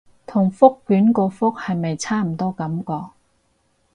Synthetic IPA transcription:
t̪ʰʊ˨˩ŋfʊ˥kːyː˨˥nkɔː˧fʊ˥k̚hɐ˨jme˨jt͡sʰaː˥m̩˨˩t̪ɔː˥kɐ˨˥mkɔː˧k̚

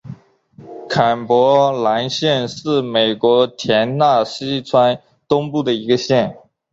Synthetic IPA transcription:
kʰa˨˩npwɔ˧˥la˧˥nɕjɛ˥˧nʂɻ̩˥˩me˨˩ɪkwɔ˧˥t̪ʰjɛ˧˥nna˥˩ɕi˥t͡sʰwa˥n | t̪ʊ˥ŋpu˥˩d̪ə˩i˧˥ɡə˧ɕjɛ˥˩n

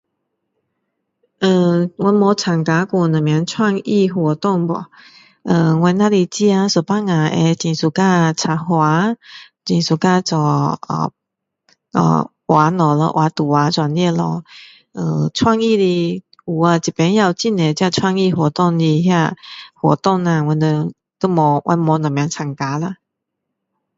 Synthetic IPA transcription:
ə˧˩ŋwɔ˧˦nmɔ˧˦t͡sʰa˨˩ŋka˧˦ku˧˩nə˨˩mja˨˧˦ŋt͡sʰwa˥˧ŋi˥˧˨ɦwɔ˨t̪ɔ˥˨ŋbɔ̰˨˩ | ə˧˩ŋwɛ˧˦nːa˧li˧t͡ɕi˧a˧sɔ˨˩pa˦˥ŋa˨˩ḛ˧t͡ɕi˨˩nsu˨˩ka˧t͡sʰa˨˩hwa˨˧˦t͡ɕĩ˨˩nsu˨˩ka˥˧t͡sɔ˨˩ə̰˨˩ | ɔ̰˨˩ | wʔa˨˦nɔ˨lɔ̰˧˦ʔwa˨˦t̪u˨˩wa˨˦t͡swa˨nɛ˥˧lɔ̰˧ | ə˧˩t͡sʰwa˥˧ŋi˥˧˨li˧ | u˨a˧t͡ɕi˨˩pɛ˨˦nja˧˨wt͡ɕi˥˨ne˨t͡ɕja˥˧t͡sʰwa˥˧ŋi˧ɦwɔ˨˩t̪ɔ˥˧˨ŋi˧ɦja˥˧hwɔ˨˩t̪ɔ˥˧ŋa˧ŋwɛ˧ndə˧ | k̪ə˦mɔ˨˧˦wʔa̰˧nmɔ˨˧˦nɔ̃˨˩mja˨˧˦ŋt͡sʰa˨˩ŋka˨˦la˧

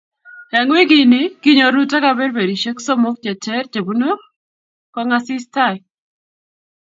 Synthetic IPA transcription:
ɛ˨ŋwi˦ɡi˨nɪ˦ki˦ɲo˨ɾu˦ta˦ka˦bɛ˦ɾbe˨ɾi˨ʃe˦kso˦mo˦k̚t͡ʃɛ˨tɛ˦ɾd͡ʒe˨bu˦no˦ | kɔ˦ŋa˦sɪ˦sta˦˨j

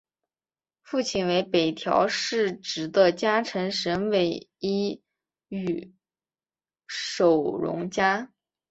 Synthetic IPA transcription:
fu˥˩t͡ɕʰi˥˩nwe˧˥ɪpe˨˩ɪt̪ʰjɑ̰˧˥ʊʂɻ̩˥˩ʈ͡ʂɻ̩˨˩d̪ə˧t͡ɕja˥ʈ͡ʂʰə˧˥ŋʂə˧˥nwe˨˩ɪi˥ | y˨˩ | ʂo˨˩ʊɻʊ̰˧˥ŋt͡ɕja˥

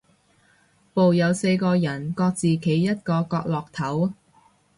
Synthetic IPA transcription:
po˨wjɐ˨˧wse˧jkɔː˧jɐ˨˩nkɔː˧k̚t͡siː˨kʰe˨˥jːɐ˥t̚kɔː˧kɔː˧k̚lɔː˨k̚t̪ʰɐ˨˥w

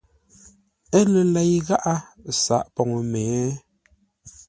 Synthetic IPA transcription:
ɛ˦lə˨lɛ˨jɣa˦ʔa˦sa˨ʔpɔ˨ŋ˨mɛː˨˦

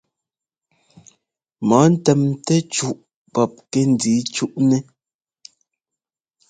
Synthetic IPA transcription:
mɔ˨˦n̩˦tɛ˨mtɛ˦t͡ʃu˦ʔ | pɔ˨p̚kɛ˦n̩˨di˨˦t͡ʃu˦ʔnɛ˦

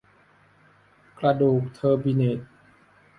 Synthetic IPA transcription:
kla˧duː˨˩k̚t̪ʰɤː˧bi˧ne˨˩t̪̚

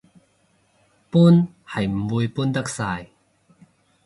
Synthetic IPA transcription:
pu˥n | hɐ˨˩jm̩˨˩wu˧jpu˥nt̪ɐ˥k̚saː˧j

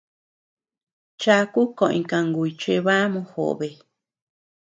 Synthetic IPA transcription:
t͡ʃa˧˦˧ku˦kõ˨ʔḭ̃˧kã˧ŋɡu˨i˧t͡ʃe˧βa˦mõ˧˦xo̰˨ʔβe˨

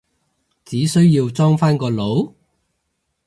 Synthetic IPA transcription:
t͡siː˨˥sɵ˥ɥjiː˧wt͡sɔː˥ŋfaː˥nkɔː˧lo˨˥w

